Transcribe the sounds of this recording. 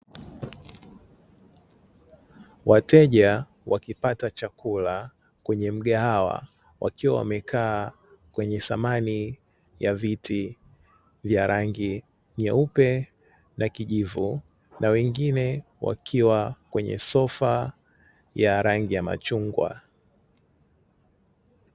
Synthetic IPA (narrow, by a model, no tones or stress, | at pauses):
watɛʄa | wakipatat͡ʃakula | kwɛɲɛm̩ɠahawa̰ | wʔa̰kiwawa̰mɛkʰaː | kwɛɲɛsamani | javitʰi | vjaɾaŋɡi | ɲɛupɛ | nakiʄivu | nawɛŋɡinɛ | wa̰kʰiwakwɛɲɛ̰sɔfa | jaɾaŋɡijama̰t͡ʃuŋɡwa̰